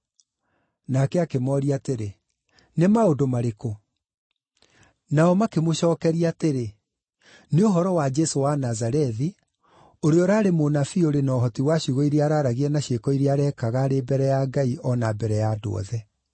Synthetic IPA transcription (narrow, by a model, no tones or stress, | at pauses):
nakɛakemɔɾiateɾe | nemaodomaɾeko | naɔmakemoʃɔːkɛɾiateɾe | neoɦɔɾɔwad͡ʒɛsowanazaɾɛði | oɾeɔɾaːɾemonafioɾenɔɦɔtiwaɕuɣoiɾeaɾaːɾaɣiɛnaɕekɔiɾieaɾɛkaɣaɾebɛɾɛjaɡaiʔɔnabɛɾɛjaːdo̰ɔ̰ðɛ